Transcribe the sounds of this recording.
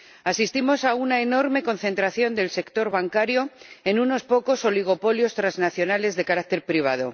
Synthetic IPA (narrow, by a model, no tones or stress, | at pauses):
asist̪imo̞saunaeno̞ɾme̞ko̞nθe̞nt̪ɾaθjo̞nd̪e̞lse̞kt̪o̞ɾβaŋkaɾjo̞e̞nuno̞spo̞ko̞so̞liɣ̞o̞po̞ljo̞st̪ɾaznaθjo̞nale̞zðe̞kaɾak̚t̪e̞ɾpɾiβ̞að̞o̞̰